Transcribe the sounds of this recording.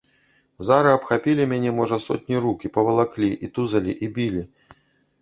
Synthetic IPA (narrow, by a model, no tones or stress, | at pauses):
zaɾɨɐpxapʲilʲimʲanʲɛmɔʐɐsɔ̰t̪ʲnʲiɾukʲipɐvɐlˠaklʲiʔit̪uzɐlʲḭʔibʲilʲi